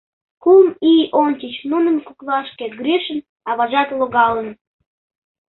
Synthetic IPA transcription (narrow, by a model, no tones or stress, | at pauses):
kulmiʔont͡ɕʲit͡ɕnunənkuklɑʃkeɡɾʲiʃən | ɑβɑʒɑt̪loɣɑlən